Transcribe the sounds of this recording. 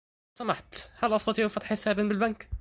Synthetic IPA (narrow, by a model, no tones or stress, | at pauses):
samaħt̪halʔɑst̪ɑt̪ˤiːʕfɑt̪ˤħɪsaːbɪnbɪlbank